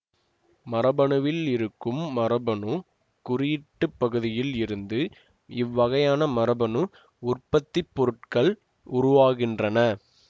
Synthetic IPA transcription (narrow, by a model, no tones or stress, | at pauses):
mɐɾɐbɐɳɯʋɪlɪɾɯkːɯmːɐɾɐbɐɳɯ | kʊɾɪjɪʈːɯpːɐɣɯðɪjɪlɪɾɯnd̪ɯ | ɪʋːɐɣɐjaːnɐmɐɾɐbɐnɯ | ʊrpɐt̪ːɪpːɔɾɯʈkɐɭ | ʊɾʊʋaːɣɪndrɐnɐ